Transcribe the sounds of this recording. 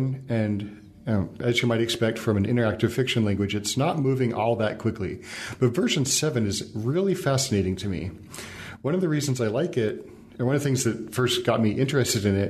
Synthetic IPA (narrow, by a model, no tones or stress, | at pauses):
nɨ̃n | ɨzjɨmaɪɾɨkspɛk̚tfɹʌ̃mɨ̃nɪ̃ɾə˞æk̚tɨv̥fɪkʃɨ̃nlæ̃ŋɡwɨd͡ʒɨtsnət̚mʉvɪ̃ŋʔɔlˠðət̚kʰw̥ɪklib̥ʌtv̥ɜ˞ʃɨ̃nsɛvɨ̃nɨzɹɪlˠifæsɨneɪɾɪ̃ŋtʰɨmḭ | wʌ̃ñʌvðɨɹizn̩zaɪlaɪkɪt̚ | ə̃nwʌ̃nʌðɨθɪ̃ŋzðɨt̚fɜ˞sɡ̥ɑt̚miʔɪ̃nt͡ʃɹ̥ɨstɨɾɨ̃nɪt̚